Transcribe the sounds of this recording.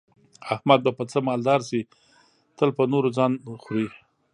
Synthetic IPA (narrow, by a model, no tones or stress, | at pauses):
ahmad̪̚bapət͡səmɑld̪ɑɾsi | t̪əlpənoɾod͡zɑnxɾi